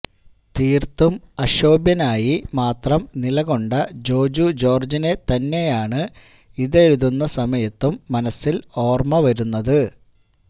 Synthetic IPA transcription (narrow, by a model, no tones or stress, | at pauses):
t̪iːrt̪umɐɕo̞ːbjɐnaːjimaːt̪rɐmnilɐɣo̞ɳɖɐd͡ʑo̞ːd͡ʑud͡ʑo̞ːrd͡ʑine̞t̪ɐnːe̞jaːɳɨ | iðe̞ɻuðunːɐsɐmɐjɐt̪ːumːɐnɐsːilo̞ːrmɐʋɐɾunːɐðɨ